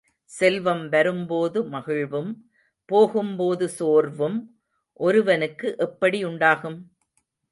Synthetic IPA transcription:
sɛlʋɐmʋɐɾɯmpoːðɯmɐɣɪɻʋɯm | poːɣɯmpoːðɯsoːɾʋɯm | ʔɔɾɯʋɐnɯkːɯʔɛpːɐɽiʊɳɖaːɣɯm

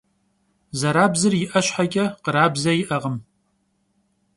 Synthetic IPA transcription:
zɐɾaːbzɨrjɪʔɐɕħaɡʲɐqəɾaːbzɐjɪʔɐʁəm

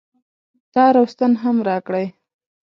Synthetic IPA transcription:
t̪ɑɾawst̪ənɦamɾɑkɽaj

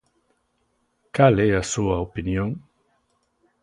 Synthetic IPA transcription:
kalɛasuɐopinjõŋ

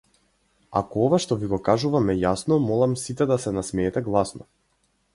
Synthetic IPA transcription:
a̰kɔɔvaʃt̪ɔviɡɔkaʒuvamɛjasnɔmɔlˠamsit̪ɛd̪asɛnasmɛːt̪ɛɡlˠasnɔ

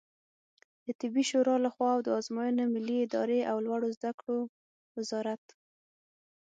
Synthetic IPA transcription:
d̪̥ət̪ɪbiʃoɾɑlaxwɑawd̪əɑzmɑjənemɪlːiɪd̪ɑɾeʔawlwaɽozd̪akɽo | wɪzɑɾat̪

